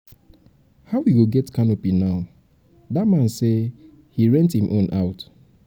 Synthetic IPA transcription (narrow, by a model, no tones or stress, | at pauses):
haʊwiɡoɡɛtkʰanopinaʊ | datmãnse | hiɹɛ̃nthĩmʔõnʔaʊt